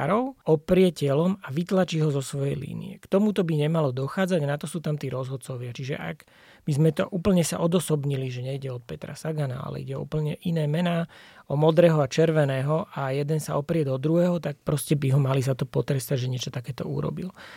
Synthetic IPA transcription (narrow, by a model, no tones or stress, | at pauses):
aɾɔʊɔpɾɪɛcɛlɔmaʋit̪lat͡ʃiːɦɔzɔsʋɔjɛjlḭːnḭɛkt̪ɔmut̪ɔbiɲɛmalɔd̪ɔxaːd͡zaɟnat̪ɔsuːt̪amt̪iːɾɔzɦɔt̪̚t͡sɔʋɪat͡ʃiʒɛ̰ʔa̰ɡ | bizmɛt̪ɔ̰ʔuːpl̩ɲɛsaʔɔd̪ɔsɔbɲiliʒɛɲɛiɟɛɔt̪̚pɛt̪ɾa̰saɡana̰a̰lɛ̰ḭɟɛɔ̰ṵpl̩ɲɛʔinɛːmɛnaːɔmɔd̪ɾɛːɦɔat͡ʃɛɾʋɛnɛːɦɔʔajɛd̪ɛnsaɔpɾɪɛd̪ɔd̪ɾuɦɛːɦɔt̪ak̚pɾɔscɛbiɦɔmalizat̪ɔpɔt̪ɾɛst̪aɟʒɛɲɪɛt͡ʃɔt̪akɛːt̪ɔ̰ṵɾɔ̰bil